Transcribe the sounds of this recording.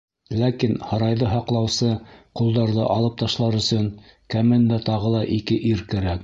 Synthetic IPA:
lækinhɑɾɑjðɤɦɑqlˠɑwsɤqulˠd̪ɑɾðɤʔɑlˠɤp̚t̪ɑʃlˠɑɾɵ̆sɵŋkæmɘnd̪æt̪ɑʁɤlˠɑʔikɘʔiɾkæɾæk

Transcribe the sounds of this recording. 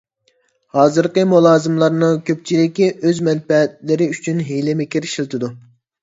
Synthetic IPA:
hɑːzɨɾqəmulˠɑːzɨmlˠɑɾnɨŋkʲʰøp̚t͡ʃʰilɪkʲiʔøzmɛnpɛt̪lɪɾɪyt͡ʃʰynɦelɪmɪkʲiɾʃilˠt̪ʰɨd̪u

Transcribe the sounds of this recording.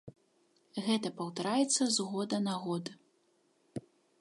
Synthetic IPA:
ɣɛt̪ɐpɐwt̪aɾajɛt̪sːɐzɣɔd̪ɐnaɣɔd̪ɨ

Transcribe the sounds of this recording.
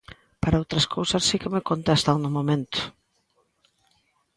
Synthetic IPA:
paɾɐowt̪ɾɐskʰowsɐsːikemekont̪est̪aŋnʊmomẽnt̪ʊ̥

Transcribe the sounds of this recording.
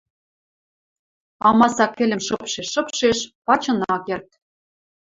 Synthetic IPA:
ɑmɑsɑkːɘ̆lʲɘ̆mʃɤ̆pʃeʃːɤ̆pʃeʃpɑt͡ɕɤ̆nɑkert̪̚

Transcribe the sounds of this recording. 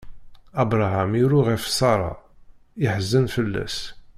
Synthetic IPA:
æbɾˤɑɦæmiɾuʁæfsˤɑɾˤɑ̰ | ɪħəzːənfəlːæ̰s

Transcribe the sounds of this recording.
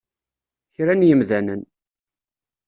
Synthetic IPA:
çɾænjəmðænən

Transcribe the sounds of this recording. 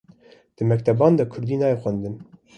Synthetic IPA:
d̪̥ɨmɛkt̪ʰɛbɑːnd̪ɑkʰʊɾd̪iːnɑːjexʷænd̪ɨn

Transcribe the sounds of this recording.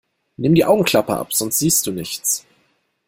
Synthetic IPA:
nɪmdiːʔaʊɡŋ̩kʰl̥apəʔa̰pz̥ɔnstz̥iːst̚d̥uːnɪçt͡s

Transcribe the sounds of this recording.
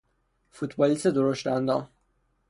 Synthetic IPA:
fut̪ʰbɒːlist̪ed̪oɾoʃt̪ænd̪ɒm

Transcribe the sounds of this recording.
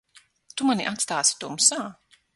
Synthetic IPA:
t̪umaniʔat̪st̪aːsi̥t̪uːmsaː

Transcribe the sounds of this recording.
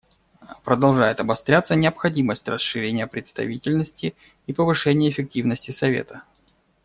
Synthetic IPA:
pɾəd̪ɐlˠʐajɪt̪ɐbɐst̪ɾʲat̪sːənʲɪəpxɐdʲiməsʲtʲrəsʂɨɾʲenʲɪjəpɾʲɪt̪st̪ɐ̰vʲitʲɪlʲnəsʲtʲɪ | ipəvɨʂɛnʲɪjəɪfʲɪk̚tʲivnəsʲtʲɪsɐvʲḛt̪ə

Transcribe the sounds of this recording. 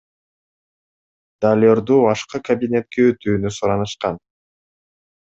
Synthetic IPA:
d̪̥alʲoɾd̪uːɑʃqɯkɐbʲinʲe̞t̪̚keøt̪yːnysuɾɑnɯʃqɑn

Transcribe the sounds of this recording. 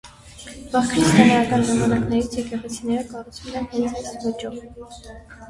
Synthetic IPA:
v̥ɑχkʰɾist̪ɑnɛjɑkɑnʒɑmɑnɑknɛɾit͡sʰjɛkɛʁɛt͡sʰinɛɾəkɑrut͡sʰvumɛnhɛnt͡sɛsvɔt͡ʃɔv

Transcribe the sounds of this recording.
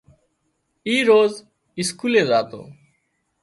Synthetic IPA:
iɾoz | iskulezaːt̪o̰

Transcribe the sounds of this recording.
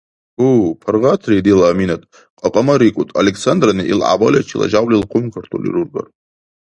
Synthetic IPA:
upʰarʁat̪ʰrid̪ilaminat̪ʼ | qʼaqʼamaɾikʷʼut̪ʼalekʰsand̪raniʔilʕa̰balʲat͡ʃʰila̰d͡ʒawlilqʷʰʊmkʰɐrt̪ʰulḭɾurɡa̰r

